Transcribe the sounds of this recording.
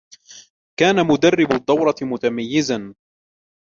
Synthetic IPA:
kaːnamʊd̪arːɪbʊd̪ˤːɑwɾˤɑt̪ɪmʊt̪amajːɪzan

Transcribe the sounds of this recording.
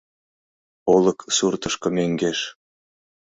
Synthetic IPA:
olˠɤ̆ksurt̪ɤ̆ʃkɤ̆meŋɡeʃ

